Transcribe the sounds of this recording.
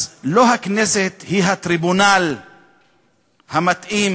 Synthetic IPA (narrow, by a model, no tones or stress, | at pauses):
lo̞ɦakneset̪hiɦat̪ɾibunal | hamat̪ʔim